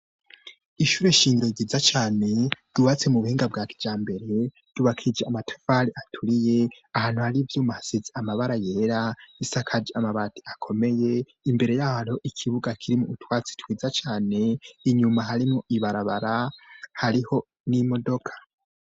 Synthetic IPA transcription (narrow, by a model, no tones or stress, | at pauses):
iʃuːɾe̞iʃiːŋɟiɾo̞iɡizat͡ʃaːne̞duβat͡se̞muβuhiːŋɡab̚ɡaːkʰi̥vjaːmbe̞ɾe̞ | d̥uβakʰid͡ʒeamatʰo̥faɾiʔatʰuɾije̞ | ahaːn̥huhaɾivjuːmahasizeamaβaɾaje̞ːɾaisakʰad͡ʒamaβatʰi̥akʰo̞me̞je̞ | imbe̞ɾe̞jaːhaɾo̞ʔikʰiβuɡakʰiɾimuutwaːt͡si̥twiːzat͡ʃaːne̞iɲumaɦaɾimoʔiβaɾaβaɾahaɾiho̞ | nimo̞do̞kʰḁ